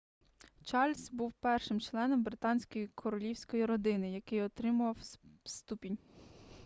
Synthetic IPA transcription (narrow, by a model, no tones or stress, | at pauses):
t͡ʃɑlʲsʲbuwpɛrʃɪmt͡ʃlˠɛnɔmbɾɪt̪ɑnʲsʲkɔjikʰɔɾɔlʲiwsʲkɔjiɾɔd̪ɪnɪjɐkɪjɔt̪ɾɪmʊʋɐwst̪upʲinʲ